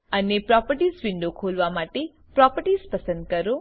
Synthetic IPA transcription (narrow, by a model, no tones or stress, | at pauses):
ənepɾɔpəɾʈisʋĩɳɖokʰolʋamaʈe | pɾɔpəɾʈispəsə̃nd̪̚kəɾo